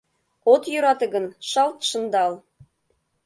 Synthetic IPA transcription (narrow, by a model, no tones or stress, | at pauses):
ot̪jyɾɑt̪ɤ̆ɡɤ̆nʃɑlt̪ʃɤ̆nd̪ɑlˠ